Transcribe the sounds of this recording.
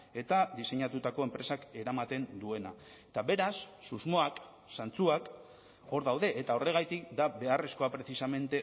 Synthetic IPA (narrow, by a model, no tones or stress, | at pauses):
e̞t̪aðise̞ɲat̪ut̪ako̞e̞mpɾe̞sake̞ɾamat̪e̞nd̪ue̞na̰ | et̪aβe̞ɾasːuzmo̞ak | sant͡suak | o̞ɾðawðe̞ʔet̪ao̞re̞ɣ̞ajt̪ik̚d̪abe̞are̞sko̞apɾe̞θisame̞nt̪e̞